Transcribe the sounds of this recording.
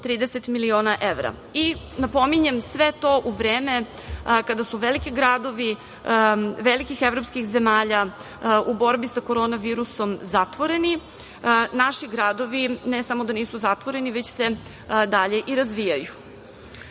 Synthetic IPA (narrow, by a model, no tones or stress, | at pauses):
t̪ɾiːd̪eset̪milioːnaʔeʋɾa̰ | i | napo̞miɲemsʋet̪o̞ʔuʋɾeːme | kad̪asuʋelikiɡɾad̪o̞ʋi | ʋelikixeʋɾopskixzemaːʎa | ubo̞ɾbisakoɾoːnaʋiːɾuso̞mzat̪ʋo̞ɾeni | naʃiɡɾad̪o̞ʋinesamo̞d̪aniːsuzat̪ʋo̞ɾe̞niʋet͡ɕse | d̪aʎe̞ʔiɾazʋijaju